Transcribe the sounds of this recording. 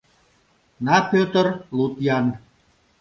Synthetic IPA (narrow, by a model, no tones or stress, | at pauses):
nɑpʲøt̪ərlut̪jan